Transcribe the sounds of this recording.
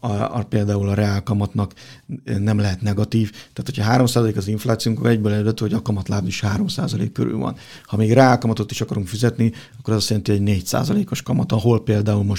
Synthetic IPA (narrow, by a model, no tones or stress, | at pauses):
ɒ̰peːld̪aːulɒɾɛaːlkɒmɒt̪nɒk | nɛmlɛɦɛt̪nɛɡɒt̪iːft̪ɛaːt̪ʰo̞cʰɒɦaːɾo̞msaːzɒleːkɒziɱflaːt̪sijoŋkokɛɟbøːlɛlølɛt̪yho̞ɟɒkɒmɒt̪laːb̪niʃhaːɾo̞msa̰ːzɒlḛːkːøɾy̰lvɒ̰n | hɒmeːɡrɛaːlkɒmɒt̪o̞t̪iʃɒkɒɾuŋkfizɛt̪niɒkːoɾɒzɒst̪jɛlɛnt̪iɦo̞ɟneːcsa̰ːzɒleːko̞ʃkɒmɒt̪ɒɦo̞lpeːld̪aːulmo̞ʃ